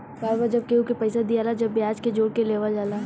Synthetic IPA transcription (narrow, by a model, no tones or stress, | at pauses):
baːɾbad͡ʒɐb̚keũkepɐɪsad̪iaːlad͡ʒɐbːiaːd͡ʒked͡ʒoːɽkeleːʋald͡ʒaːla